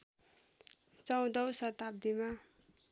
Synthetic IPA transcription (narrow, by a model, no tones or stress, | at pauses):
t͡sʌw̃d̪ʌwsʌt̪ab̚d̪ima